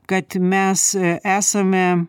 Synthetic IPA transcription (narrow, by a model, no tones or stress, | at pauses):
kɐt̪mʲɛsʔæːsɐmʲɛ